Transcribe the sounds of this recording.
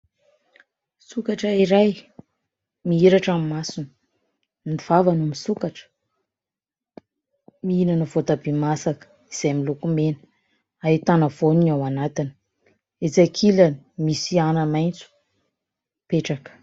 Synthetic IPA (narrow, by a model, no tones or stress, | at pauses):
sukaʈ͡ʂəiɾaj | miiɾaʈ͡ʂamimasun | niv̥avanumisukaʈ͡ʂə̥ | miinanuvot̪abimasakə̥ | iz̥ajmilukumenə | ait̪anəvoniawanat̪ini̥ | et͡sakʰilanimisianəmajnt͡su̥ | peʈ͡ʂakə̥